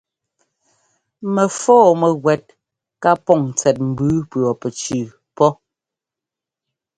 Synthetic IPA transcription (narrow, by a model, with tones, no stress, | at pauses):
mɛ˨fɔː˦˨mɛ˨ɣwɛ˨t̚ | ka˦pɔ˦˨ŋ˨t͡sɛ˨t̚m̩˨bʉ˨˦pɰɔ˨pɛ˨t͡ʃʉ˨ | pɔ˦